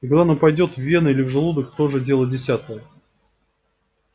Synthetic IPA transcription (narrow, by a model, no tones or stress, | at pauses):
ikaɡd̪anapɐjdʲo̞t̪vːʲe̞nəilʲɪvʐɨlˠud̪əkt̪o̞ʐɨdʲe̞lˠədʲɪsʲat̪əjə